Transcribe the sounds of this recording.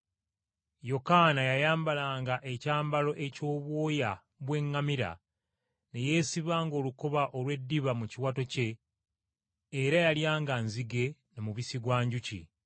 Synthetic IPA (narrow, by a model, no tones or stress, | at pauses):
jo̞kanajajaːmbalaːŋɡaʔe̞caːmbalo̞ʔe̞co̞ːβwo̞ːja | βwe̞ŋːamiɾa̰ | ne̞je̞ːsiβaːŋɡo̞ːluko̞βaʔo̞lwe̞dːiβamuciwato̞ce̞ | ɾajaljaːŋɡanziɡe̞nemuβisiɡwaːɲɟucḭ